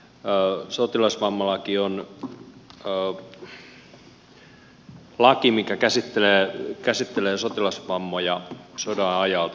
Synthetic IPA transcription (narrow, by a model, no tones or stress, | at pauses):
sot̪ilɑsʋɑmːɑlɑkion | lɑkimikækæsit̪ːeleːkæsit̪ːeleːsot̪ilɑsʋɑmːojɑsodɑnɑjɑlt̪